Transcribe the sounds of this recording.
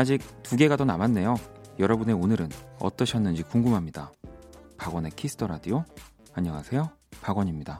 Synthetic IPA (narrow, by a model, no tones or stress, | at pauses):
ad͡ʑik̚tuɡe̞ɡadonamanːe̞jojʌɾʌbune̞onɯɾɯnʌ̰t͈ʌɕʰʌnːɯnd͡ʑikuŋɡumɦamɲidapaɡwʌne̞kʰisʰɯ̥tʰʌɾadijo | aɲʌŋasʰe̞jo | paɡʌɲimɲida